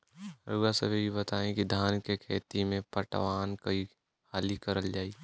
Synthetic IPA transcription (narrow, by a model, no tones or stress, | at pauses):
ɾuːɡasə̰bʱibʱibət̪aːẽkid̪ʱaːnkekʰḛːt̪imẽpəʈʋaːnkəi | haːlikəɾəld͡ʒaːi